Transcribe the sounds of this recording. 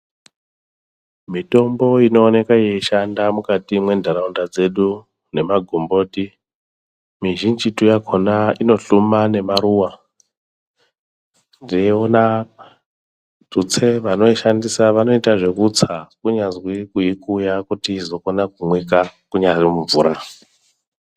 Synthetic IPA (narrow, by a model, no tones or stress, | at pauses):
mito̞mbo̞ino̞ːne̞kaeeʃandamukatimwe̞ndʱaɾaundad͡ze̞ɗu | ne̞maɡʱombo̞ːti | miʒind͡ʒitujakʰonaino̞ɬumane̞maɾuwa | ndieona | tut͡se̞ʋano̞iʃandisaʋano̞itaʐe̞kut͡sakuɲazwikuikujakutiːzo̞konakumwekakuɲazimuɱvuːɾa